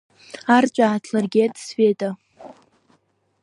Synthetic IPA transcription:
art͡ʃʷʼaːtʰlarɡʲetʼsfetʼa

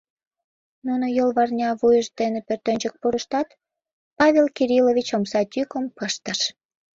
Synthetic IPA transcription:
nunojolβɑrnʲɑβujəʃd̪enepørt̪ønʲt͡ɕək̚puɾəʃt̪ɑt̪ | pɑβʲelkiɾiloβit͡ɕomsɑt̪ykəmpəʃt̪əʃ

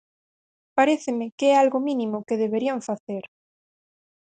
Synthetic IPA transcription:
paɾeθɪmɪkeɛalɣʊminimʊkeðeβeɾiaɱfaθeɾ

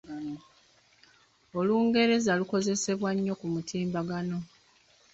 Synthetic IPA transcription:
oluːŋɡe̞ɾe̞zaluko̞ze̞se̞βwaɲːo̞kumutʰiːmbaɡano̞

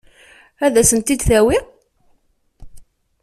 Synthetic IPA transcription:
æðæsənt̪ːid̪θæwi

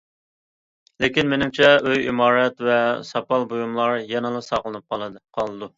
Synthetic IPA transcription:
lekʲinmenɪmt͡ʃʰɛøjḭmɑːɾɛt̪vɛsɑpɑlˠbojumlˠɑɾjɛnɨlˠɨsɑʁlˠɨnɨp̚qʰɑlˠɨqʰɑlˠɨd̪u

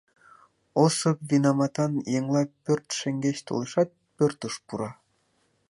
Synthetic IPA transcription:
osɤ̆pvʲinɑmɑt̪ɑnjeŋlˠɑpʲørt̪ʃɘ̆ŋɡʲeɕt̪ṵlˠɤ̆ʃɑt̪̚pʲørt̪ɤ̆ʃpuɾɑ

